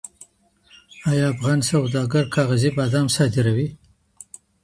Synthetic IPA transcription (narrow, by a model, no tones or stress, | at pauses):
ɑjɑːfɣɑnsawd̪ɑɡaɾkʰɑːɣazibɑd̪ɑːmsɑd̪ɪɾawi